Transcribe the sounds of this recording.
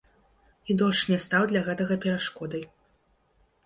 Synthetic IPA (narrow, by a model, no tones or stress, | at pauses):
id̪ɔʂnʲɛst̪awd̪lʲaɣɛt̪ɐɣɐpʲɛɾaʂkɔd̪ɐj